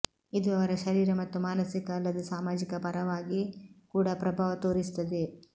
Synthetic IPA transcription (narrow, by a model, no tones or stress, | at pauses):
id̪uɐʋɐɾɐʃɐɾiːɾɐmɐt̪ːumaːnɐsikɐːlːɐd̪esaːmaːd͡ʒikɐpɐɾɐʋaːɡikuːɽɐpɾɐbʱaːʋɐt̪oːɾist̪ɐd̪e